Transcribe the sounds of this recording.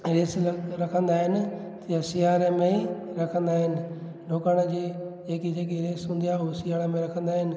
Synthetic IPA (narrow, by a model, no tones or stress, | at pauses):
ɾeːsɾɐkʰə̃nd̪aːɦɪnɪ̆ | t̪ijasijaːɾəmẽɾɐkʰə̃nd̪aːɦɪnɪ̆ | ɖoːkaɽ̃əd͡ʑiːd͡ʑeːkid͡ʑeːk̬iɾeːsɦũːnd̪ijaːɦʊsijaːɾəmẽɾɐkʰə̃nd̪aːɦɪnɪ̆